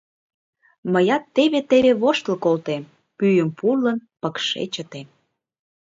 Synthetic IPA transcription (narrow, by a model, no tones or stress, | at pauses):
məjɑt̪ːeβet̪eβeβoʃt̪əlkolt̪em | pyjəmpurlənpəkʃḛt͡ɕət̪em